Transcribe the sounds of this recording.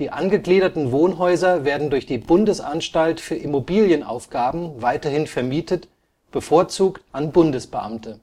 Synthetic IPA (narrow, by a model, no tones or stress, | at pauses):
d̥iːʔanɡəɡliːɾɐtn̩voːnɦɔʏzɐveːɐdn̩dʊɐçd̥iːbʊndəsʔa̰nʃtaltfyːɐʔɪmobiːljənʔa̰ʊfɡ̥aːbm̩vaɪtɐhɪnfɛɐmiːtʰət | b̥əfoːɐt͡suːktʔanbʊndəsb̥əʔa̰mtʰə